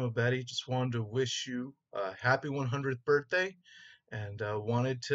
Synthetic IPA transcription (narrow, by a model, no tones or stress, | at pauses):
əbɛɾid͡ʒʌst̚wɑ̃ɾ̃ntəwɪʃɨ | ʌhæpiwʌ̃nɦʌ̃ndɹɨd̪̚b̥ɜ˞θd̥eɪɨ̃nʌwɑ̃ɾ̃ɨd̚tʰɨ